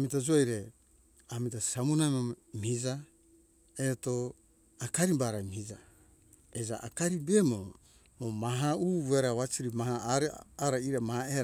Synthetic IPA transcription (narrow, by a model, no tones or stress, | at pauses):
mitad͡ʒojɾe | amitasamunajmamhid͡ʒa | eto | akaɾibaɾajmihid͡ʒa | ed͡ʒaʔa̰kaɾibemo | momaɦauːβueɾaβat͡ʃiɾimahaɾaɾaiɾamahae